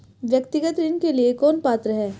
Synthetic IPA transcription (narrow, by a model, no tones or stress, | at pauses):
ʋjɐkt̪ɪɡət̪ɾɪnkeliekɔːnpaːt̪ɾəɦɛː